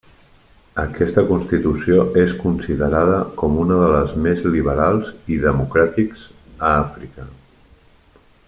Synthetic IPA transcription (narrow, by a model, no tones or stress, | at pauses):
əkɛst̪əkunst̪it̪usioeskunsiðəɾaðəkɔmunəðələzmezliβəɾalˠziðəmukɾat̪ikz̥əafɾikə